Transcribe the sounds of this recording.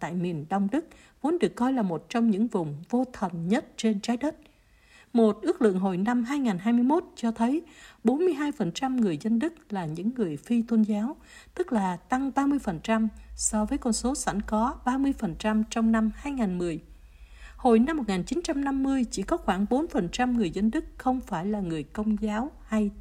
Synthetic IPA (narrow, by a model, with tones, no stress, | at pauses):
t̪a̰ː˧˨jmi˨˩ənɗə˧wŋ͡mɗɨ˦˥k̚ | vu˨˦nɗɨ˨˩ə˩kːɔ˧jlaː˨˩mo˨˩t̚t͡ɕɔ˧wŋ͡mɲɨ̰˧˥ŋvʊ˨˩ŋ͡mvo˧t̪ʰə˨˩nɲə˦˥t̚t͡ɕe˧nt͡ɕaː˨˦jɗə˦˥t̚ | mo˨˩t̚ʔɨ˦˥ək̚lɨ̰˧˨əŋɦo˨˩jna˧mɦaː˧jŋaː˨˩nɦaː˧jmɨ˧əjmo˦˥t̚t͡ɕɔ˧t̪ʰə˨˦jɓo˨˦nmɨ˧əjɦaː˧jfə˨˩nt͡ɕa˧mŋɨ˨˩əjzə˧nɗɨ˦˥k̚laː˨˩ɲɨ̰˧˥ŋːɨ˨˩əjfi˧t̪ʰə˧nzaː˨˦w | t̪ɨ˦˥k̚laː˨˩t̪a˧ŋɓaː˧mɨ˧əjfə˨˩nt͡ɕa˧msɔ˧vəː˨˦jkɔ˧nso˨˦sa̰˧˩jŋ̟kɔ˨˦ɓaː˧mɨ˧əjfə˨˩nt͡ɕa˧mt͡ɕɔ˧wŋ͡mna˧mhaː˧jŋaː˨˩nmɨ˨˩əj | ho˨˩jna˧mːo˨˩ŋaː˨˩nt͡ɕi˨˦nt͡ɕa˧mna˧mːɨ˧əjt͡ɕḭ˧˩kɔ˨˦xwaː˧˩ŋɓo˨˦nfə˨˩nt͡ɕa˧mŋɨ˨˩əjzə˧nɗɨ˦˥k̚xə˧wŋ͡mfaː˧˩jlaː˨˩ŋɨ˨˩əjkə˧wŋ͡mzaː˨˦wha˧j